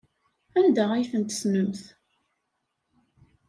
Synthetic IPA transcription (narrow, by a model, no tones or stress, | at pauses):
ænd̪æʁæjθənt̪snəmθ